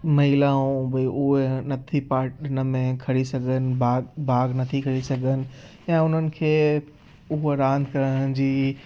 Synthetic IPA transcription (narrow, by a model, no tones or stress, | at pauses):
mɐɪlãũbɐʔʊɦenɐt̪ʰipaːʈɪnə̆mẽkʰɐɾisɐɡʱənɪ̆baːɡbʱaːɡnɐt̪ʰikʰɐɾisɐɡʱənɪ̆ | jãːʊn̤ənɪ̆kʰeː | ʊɦoɾãːnd̪ʱkɐɾəɽ̃d͡ʑiː